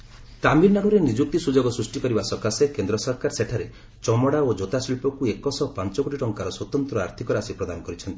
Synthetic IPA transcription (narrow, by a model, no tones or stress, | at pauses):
t̪amiɾnaɽuɾenid͡ʒuk̚t̪isud͡ʒoɡɔsɾusʈikɔɾibasɔkasekend̪ɾɔsɔɾkaɾseʈʰaɾe | t͡ʃɔmɔɽaod͡ʒot̪asilpɔkuekɔsɔpant͡ʃɔkoʈʰiʈɔŋkaɾɔswɔt̪ɔnt̪ɾɔaɾt̪ʰikɔɾasipɾɔd̪anɔkɔɾit͡ʃʰɔnt̪i